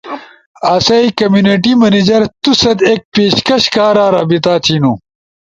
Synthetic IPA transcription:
aːsɐikɐmjuːneʈimɐnid͡ʑɐɾt̪usɐd̪eːk̚peːɕkɐɕkaːɾaːɾaːbit̪aːt̪ʰinu

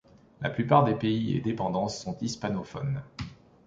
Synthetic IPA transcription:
la̰plypaʁd̪epeiḛd̪epɑ̃d̪ɑ̃sːɔ̃t̪ispanofɔ̰n

